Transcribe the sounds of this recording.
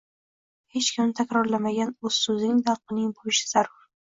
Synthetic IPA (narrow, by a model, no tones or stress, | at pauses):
het͡ʃkʲʰɪmt̪ʰakʲɾɒɾlamaɡʲanɵz̥sɵzɪŋd̪aɾqɨnɪŋbojɪʃɪ̥z̥aɾʊɾ